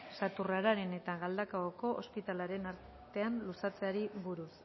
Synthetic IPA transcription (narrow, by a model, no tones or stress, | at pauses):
sat̪uraɾaɾe̞ne̞t̪aɣald̪akaɣoko̞ʔospit̪alaɾe̞naɾ | t̪e̞anlusat͡se̞aɾiβuɾus